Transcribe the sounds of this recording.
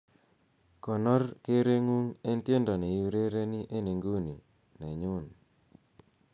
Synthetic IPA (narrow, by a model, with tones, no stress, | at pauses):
kɔ˨nɔ˦rke˦ɾe˦ŋu˦ŋe˦nt̪je˦ndɔ˨nɛ˨ju˦ɾe˦ɾe˦ni˦ʔe˦ne˨ŋɡu˦ni˨ | nɛ˨ɲu˦n